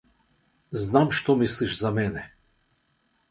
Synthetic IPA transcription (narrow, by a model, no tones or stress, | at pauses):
znamʃt̪ɔmisliʃzamɛnɛ